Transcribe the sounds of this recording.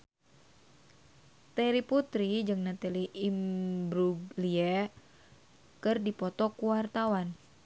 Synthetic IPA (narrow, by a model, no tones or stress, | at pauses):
t̪ɛɾiput̪ɾid͡ʒɨŋnat̪aliʔimbɾuliɛ | kɨrdipɔt̪ɔkuwart̪awan